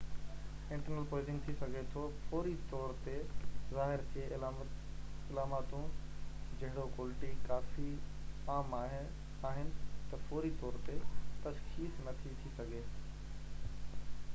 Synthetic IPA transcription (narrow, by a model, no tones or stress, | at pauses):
ɪ̃ɳʈəɾnəlpoːɪzɪ̃ŋɡt̪ʰisɐɡʱet̪ʰopoːɾit̪ɔːɾt̪ezaːɦɪɾke | ɪlaːmaːt̪ũd͡ʑɐɦɪɽokwoːlɪʈikaːfiaːmaɦ | aːɦɪnɪ̆t̪ɐpoːɾit̪ɔːɾt̪et̪ɐʃxiːsnɐt̪ʰit̪ʰisɐɡʱeː